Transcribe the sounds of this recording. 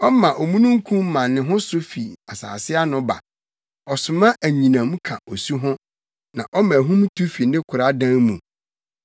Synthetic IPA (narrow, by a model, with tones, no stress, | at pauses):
ɔ˦mã˨ʔo˨mũ˦nũ˦ŋ̩˦kʰũ˦m̩˦mã˨nːɪ̃˨ɦʊ̃˦sʊ˦fi˨a˨sa̰ː˨sɪ˦a˦nʊ̃˦ba̰˨ | ɔ˨sʊ˨mã˦ʔæ˨ɲĩ˨nã˨m̃˦kʰã̰˨o˨su˦ɦʊ̃˦ | nã˨ʔɔ˦mã˨ɦũ˦m˦tʰu˦fi˨˦nɪ̃˦kʰʊ˨ɾa˦dã˦nmũ˨